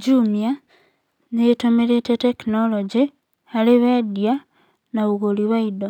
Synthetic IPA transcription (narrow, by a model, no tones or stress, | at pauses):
ɟumja | nitomeliteteknoloɟi | aliβeːdja | naβuɣoliβaido